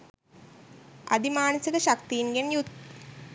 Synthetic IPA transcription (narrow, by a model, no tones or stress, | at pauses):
ɐd̪imaːnɐsikəʃakt̪ijinɡenjut̪